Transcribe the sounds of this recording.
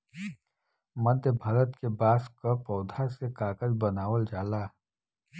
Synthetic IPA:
məd̪ʱjəbʱaɾət̪kebaːskapɔːd̪ʱasekaːkəzbɐnaːwəld͡ʒaːlaː

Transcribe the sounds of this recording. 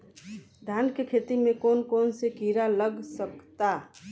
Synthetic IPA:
d̪ʱaːnkekʰet̪imẽkoːnkoːnsekiɾaləɡsəkt̪a

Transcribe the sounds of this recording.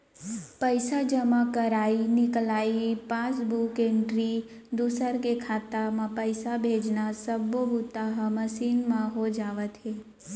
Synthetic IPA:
pəjsad͡ʒəmãkəɾainɪklaipãsbʱukeɳʈɾi | d̪usəɾkekʰat̪amãpəjsabʱed͡ʒnasəbːobut̪aɦəməsinmãɦod͡ʒaʋət̪ʰe

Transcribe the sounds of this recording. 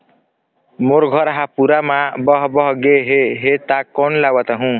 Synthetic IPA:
moɾɡʱʌɾɦapuɾamabʌɦbʌɦɡeɦeɦet̪akːɔnlawʌt̪aɦũ

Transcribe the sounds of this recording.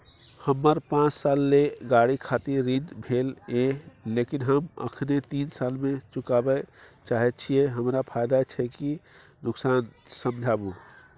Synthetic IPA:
həmːəɾpãt͡ʃsalːeɡaɽikʰat̪iɾːinbʱelelekinɦəmə̰kʰnet̪insalmet͡ʃukabɛt͡ʃaɦɛt̪t͡ʃʰijeɦəmɾapʰajd̪at͡ʃʰɛki | nuksansəmd͡ʒʱabu

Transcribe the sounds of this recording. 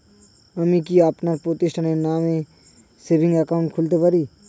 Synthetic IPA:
əmikiapnaɾpot̪ɪʃʈʰənenaːmẽ | sebɪ̃ŋɡəkaːʊ̃ɳʈ̚kʰʊlt̪epəɾiː

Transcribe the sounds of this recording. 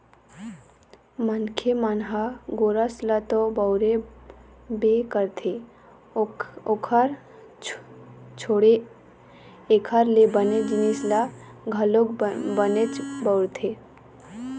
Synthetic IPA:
mənkʰemanɦaɡoːɾaslat̪obɔwɾe | bekəɾt̪ʰe | okʰaɾ | t͡ʃʰoɽe | ekʰaɾlebəned͡ʒnisla | ɡʱɐloɡbənet͡ʃbəʊɾt̪ʰe

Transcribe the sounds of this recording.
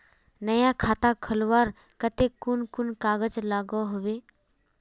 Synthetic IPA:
nəjakʰaːt̪akʰəlʋaːɾ | kət̪ekːʊnkʊnkaːɡəd͡ʒlaːɡoɦʊʋeː

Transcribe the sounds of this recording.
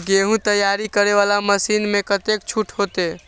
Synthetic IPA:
ɡeɦũt̪əjaɾikəɾeʋalaməsinmekət̪ek̚t͡ʃʰuʈʰɦot̪e

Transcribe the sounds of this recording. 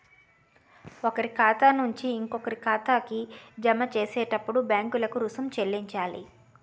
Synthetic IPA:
okɐɾikaːt̪aːnuɲt͡ʃiːŋkokɐɾikʰaːt̪aːkid͡ʒɐmɐt͡ʃeːsɛːʈɐpːuɽubjaːŋkulɐkuɾusumt͡ʃe̞lːiɲt͡ʃaːlḭ

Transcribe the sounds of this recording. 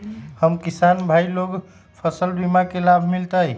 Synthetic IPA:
həmkisanbʱailoɡ | pʰəsəlbimakelabʱmilt̪əj

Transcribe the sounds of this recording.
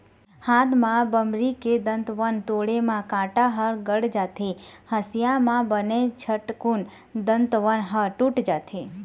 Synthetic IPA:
hãd̪mãbəmɾiked̪ənt̪ʋənt̪oɽemãkãʈaɦəɾɡəɽd͡ʒat̪ʰehəsjamãbənet͡ʃʰəʈkun | d̪ənt̪ʋənɦəʈũʈd͡ʒat̪ʰe

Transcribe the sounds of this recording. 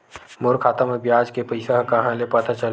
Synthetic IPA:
mʊɾkʰaːt̪əmɐbjaːd͡ʒkepɐɪsaɦkɐɦãlepɐt̪ʰat͡ʃɐl

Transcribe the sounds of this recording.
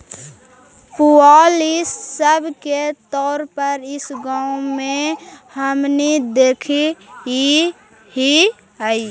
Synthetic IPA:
pualisːəbʱket̪ɔːɾpəɾɪsɡaũmẽhəmnid̪ekʰii | ɦi | əi

